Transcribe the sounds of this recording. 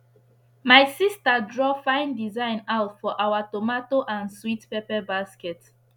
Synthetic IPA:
majsistadɹɔfãɪ̃ndizãɪ̃naʊtfɔʔawatomatoʔãnswitpepɛbaskɛt

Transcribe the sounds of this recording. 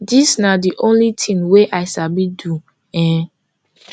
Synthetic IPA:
disnadiʔõnlitʰĩnweʔaɪsabidu | ɛ̃

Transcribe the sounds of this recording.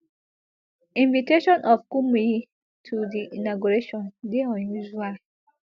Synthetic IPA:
ĩnviteʃɔ̃nʔɔfkumii | tʰudiʔinaɡuɹeʃɔ̃ndeɔ̃njuʒual

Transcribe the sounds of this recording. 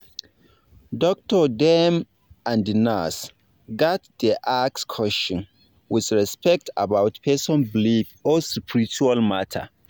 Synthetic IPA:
dɔk̚tɔdɛm | ãndina̰s | ɡatdiʔakskʰɔʃɔ̃n | wɪθɹɛspʰɛk̚tʰa̰bawtpʰɛsɔ̃nblifɔsupʰiɹit͡ʃualmatʰə̰

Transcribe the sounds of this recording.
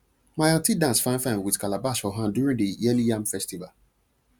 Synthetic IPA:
majãntidãnsfãɪ̃nfãɪ̃nwidkalabasɔɦãndjuɹĩŋdəjɛlijãmfɛstival

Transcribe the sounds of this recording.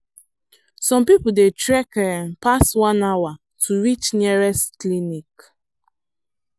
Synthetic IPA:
sɔ̃mpipudetɹɛkmpaswãnawa | tʰuwit͡ʃniɹɛsklinik

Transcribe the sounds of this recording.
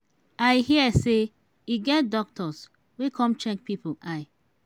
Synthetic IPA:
aɪhiəse | iɡɛt̚dɔk̚tʰɔs | wekʰɔ̃mt͡ʃɛk̚pipoaɪ

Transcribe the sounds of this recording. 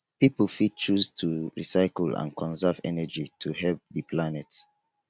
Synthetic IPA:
pipəl̩fid̚t͡ʃustʰuɹḭsaɪkl̩ã̰nkʰɔ̃nsɛvɛ̰nɛd͡ʒitʰuɦɛlp̚ðəplanɛt

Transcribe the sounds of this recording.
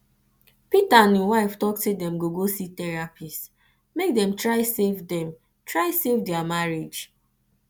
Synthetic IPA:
pitãniwaɪftɔktedɛ̃mɡoɡositɛɹapʰis | mek̚dɛ̃mtɹaɪsevdɛ̃m | tɹaɪsevdɛamaɹed͡ʒ

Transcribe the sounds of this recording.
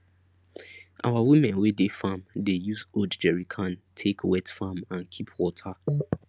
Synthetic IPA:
ʔa̰wawimɛ̃nwedefãmdejuzodd͡ʒɛɹikʰãntʰekʰwɛtfamãnkʰipʰwɔtʰa

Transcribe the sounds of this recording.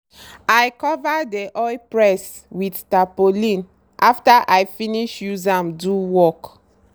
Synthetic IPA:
ajkɔvadeʔɔjpɹɛs | widtapolĩn | ʔaftaʔajfĩniʃjuzãmduwɔk

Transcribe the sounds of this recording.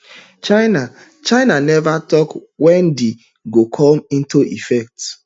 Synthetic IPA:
t͡ʃaɪna | t͡ʃaɪnanɛvatɔkwɛ̃ndi | ɡokʰɔ̃mĩntuʔifɛk̚t

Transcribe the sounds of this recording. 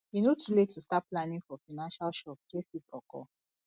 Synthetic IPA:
inotʰuletʰustaplãnĩŋfɔfanãnʃalʃɔp̚d͡ʒefipɔkɔ̰

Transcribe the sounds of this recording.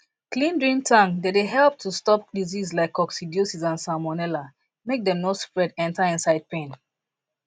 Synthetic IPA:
klĩndɹĩntʰãŋdedeɦɛlˠp̚tʰustɔp̚dizizlaɪkʰːɔksidiosizãnsamɔnɛla | mek̚dɛ̃mnospɹɛdɛ̃ntaɪ̃nsaɪd̚pẽn

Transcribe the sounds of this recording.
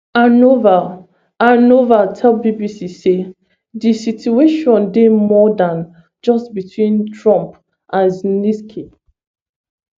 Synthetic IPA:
anova | anovatʰɛlˠbibisise | disitueʃɔ̃ndemɔdãn | d͡ʒʌstbitʰwĩntʰɹɔ̃mp | ʔãzniskʰi

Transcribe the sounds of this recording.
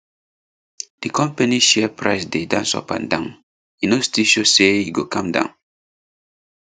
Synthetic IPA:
d̥ikɔ̃mpaniʃɛpʰɹaɪsdedã̰nsɔ̰pã̰ndãn | inostiʃosejuɡokãmdã̰ʊ̃n

